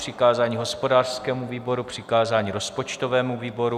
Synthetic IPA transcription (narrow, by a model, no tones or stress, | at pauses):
r̥ɪkaːzaːɲiɦo̞spodaːr̥skɛːmuviːbo̞ɾupr̝̥ɪkaːzaːɲiːɾospot͡ʃt̪ovɛːmuviːbo̞ɾu